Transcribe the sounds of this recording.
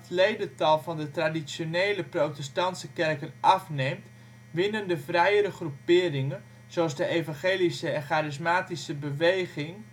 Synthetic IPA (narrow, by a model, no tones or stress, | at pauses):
tlejdətɑlˠvɑndətradisjoneːləprowtɛstɑntsəkɛrkənʔɑfnemt | ʋɪnəndəvrɛjəɾəχrupɪːrɪŋən | z̥oɑsdəʔejvɑ̃nχeːlisəɛnχaːɾɪsmaːtisəbəʋejχɪŋ